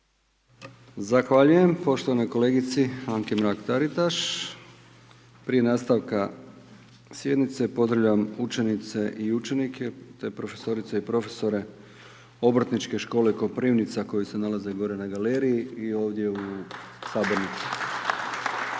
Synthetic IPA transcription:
zaxʋaʎuje̞mpo̞ʃt̪o̞ʋano̞ko̞le̞ːɡit̪siaŋkemɾakt̪aɾit̪aʃ | pɾije̞naːst̪aʋka | sje̞d̪nit̪se̞po̞zd̪ɾaʋʎaʋamut͡ʃe̞nit̪se̞ʔiut͡ʃe̞nikʰe̞t̪epɾo̞fe̞̥so̞ɾit̪seipɾo̞fe̞so̞ɾe̞ | o̞br̩t̪nit͡ʃke̞ʃko̞ːleko̞pɾiʋnit̪sako̞jise̞nalaze̞ɡo̞ɾe̞naɡale̞ːɾijiio̞ːʋd̪je̞usaːbo̞ɾnit̪su̥

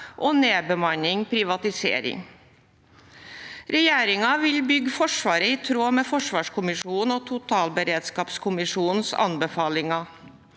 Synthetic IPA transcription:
ʔɔneːbəmɑnɪŋpʰɾɪʋɑt̪ɪsḛːɾɪ̰ŋ | ɾɛjeːɾɪŋɑʋɪlbʏɡfɔʂʋɑːɾəɪt̪ʰɾoːmɛːfɔʂʋɑːʂkʰʊmɪʂuːn̩ɔt̪ʰʊt̪ʰɑːlbəɾeːd̪skɑːpskʰʊmɪʂuːn̩sɑ̰nbəfɑːlɪŋɑ

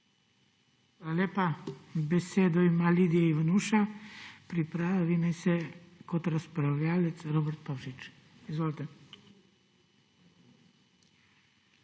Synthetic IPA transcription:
alalʲeːpabɛseːd̪ɔimalid̪iɛiʋanuʃapɾipɾaːaʋinɛjsɛkot̪ɾaspɾawlʲaːlɛt̪sɾoːbɛɾt̪̚pawʃit͡ʃ | izʋoːlit̪ɛ

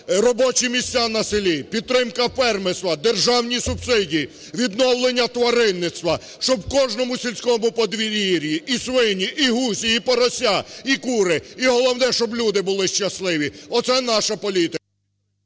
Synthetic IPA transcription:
rɔbɔt͡ʃimʲisʲtʲanɐsɪlʲipʲid̪̚t̪ːɾɪmkɐpɛrmɪsʋɐd̪erʒɑwnʲisʊbsɪdʲiː | ʋʲid̪nɔwlˠenʲːɐt̪ʋɐɾɪnːɪt̪st̪ʋɐ | ʃt͡ʃɔbkɔʒnɔmʊsʲilʲsʲkɔmʊpɔd̪ʋʲiɾʲiɾʲjiisʋɪnʲiʔiɦusʲiipɔɾɔsʲaikuɾɪiɦɔlˠɔwnɛʃt͡ʃɔblʲud̪ɪbʊlˠɪʃt͡ʃɐslˠɪʋʲiɔt̪sɛnɑʃɐpɔlʲit̪ɪ

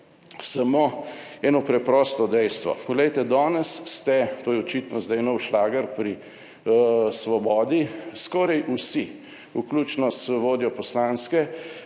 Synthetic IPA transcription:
sɐmoɛːnɔpɾɛpɾɔːst̪ɔd̪ɛjst̪ʋɔ̰pɔɡlɛjt̪ɛd̪ɔːnɛsːt̪ɛt̪oːjɛɔt͡ʃit̪nɔzd̪ajnɔwʃlaːɡəɾpɾi | sʋɔbɔːd̪iskɔːɾajʔusi | ukluːt͡ʃnɔsʋoːd̪jɔpɔslanskɛ

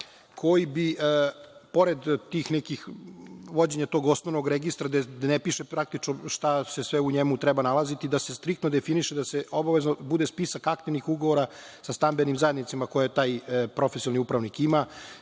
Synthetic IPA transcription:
kʰo̞jibiʔpo̞ɾed̪t̪iːxnɛkixʋo̞d͡ʑe̞ɲat̪o̞ɡo̞snoʋnoɡɾeɡist̪ɾad̪ed̪nepiʃepɾak̚t̪it͡ʃnoʃt̪asesʋeuɲemut̪ɾɛbanalˠazit̪id̪ase̞st̪ɾik̚t̪nod̪efiniʃed̪aseo̞baʋe̞znobud̪espisakak̚t̪iʋnixuɡoʋoɾa | sast̪ambenimzaje̞d̪nit̪simako̞jet̪aːjpɾo̞fesiolniupɾaʋnikima

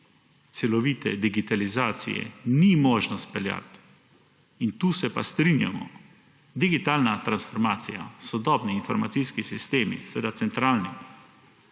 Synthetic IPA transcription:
t̪sɛlɔʋiːt̪ɛ̰d̪iɡit̪alizaːt̪sḭjɛ̰nimoːʒnɔst̪pɛlja̰t̪ | int̪uːsɛpast̪ɾinja̰mɔ̰ | d̪iɡit̪aːlnat̪ɾansfɔɾmaːt̪sija̰sɔd̪ɔːbniːnfɔɾma̰sijskisist̪eːmḭsɛʋeːd̪at̪sɛnt̪ɾaːlnim

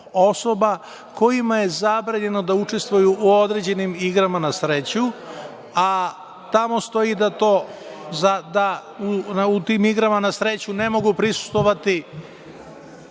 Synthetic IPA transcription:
oso̞ba | ko̞jimaje̞zabɾaɲe̞no̞d̪aut͡ʃe̞st̪ʋujuʔuo̞d̪ɾe̞d͡ʑe̞nimiɡɾamanasɾe̞t͡ɕu | a | t̪amo̞st̪o̞jid̪at̪o̞ːzad̪aunut̪iːmiɡɾamanasɾe̞t͡ɕune̞mo̞ɡupɾisu̥st̪ʋo̞ʋat̪i

